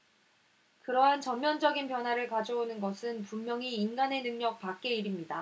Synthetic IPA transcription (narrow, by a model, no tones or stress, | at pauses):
kɯɾʌɦant͡ɕʌmːjʌnd͡ʑʌɡinpjʌnɦwaɾɯɭkad͡ʑoonɯnɡʌsʰɯnpumːjʌŋiːnɡane̞nɯŋɲʌk̚pak̚k͈e̞iɾimɲida